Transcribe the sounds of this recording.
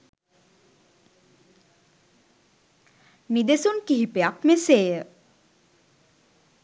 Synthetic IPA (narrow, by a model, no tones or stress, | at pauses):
nid̪esunkiɦipeakmeseːjə